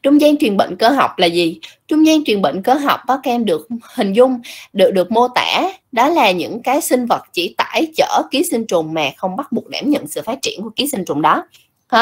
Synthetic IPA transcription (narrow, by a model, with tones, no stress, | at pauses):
t͡ɕʊ˧ŋ͡mzaː˧ŋt̪wi˨˩ənɓə̰˧˨ŋ̟kəː˧ɦa˨˩wk͡p̚laː˨˩zi˨˩t͡ɕʊ˧wŋ͡mzaː˧ŋt̪wi˨˩ənɓə̰˧˨ŋ̟kəː˧ɦa˨˩wk͡p̚kɔ˨˦kːmɗɨ˨˩ək̚hï˨˩ŋ̟zʊ˧ŋ͡mɗɨ˨˩k̚ɗɨ˨˩ək̚mo˧t̪a̰ː˧˩˨ɗɔ˨˦laː˨˩ɲɨ̰˧˥ŋkaː˨˦jsï˧ŋ̟və˨˩t̚t͡ɕi˧˩t̪a̰ː˧˥˩jt͡ɕəː˧˩ki˨˦sï˧ŋ̟t͡ɕʊ˨˩ŋ͡mmaː˨˩xə˧wŋ͡mɓa˦˥t̚ɓu˨˩ək̚ɗaː˧˩mɲə̰˧˨nsɨ̰˧˨faː˦˥t̚t͡ɕi˧˩ənku˧˩əki˨˦si˧ŋ̟t͡ɕʊ˨˩ŋ͡mɗɔ˨˦ | h